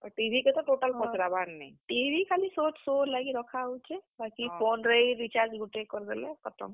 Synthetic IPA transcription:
ɔʈibʱiket̪ɔʈoʈalpɔt͡ʃɾabanna̰jʈibʱikalisotsolaɡiɾɔkʰaɦut͡ʃʰɛbakipʰonɾejɾit͡ʃaɾd͡ʒɡuʈekːɔɾd̪ɛlɛkɔt̪ʰɔ̰m

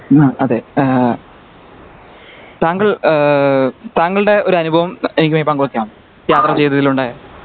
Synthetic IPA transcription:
aɐðeː | t̪aːŋɡɐɭ | t̪aːŋːɡɐɭɨɽe̞o̞ɾuɐnubʱɐʋɐme̞nikʲːumepːaːŋɡuɭɐkːjaːm | jaːt̪rɐt͡ɕe̞jt̪ːɐt̪ːiluɳɖaːje

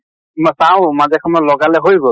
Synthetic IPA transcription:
msaʊ̃mazɛkʰɔmɔlɔɡalɛɦojbɔ

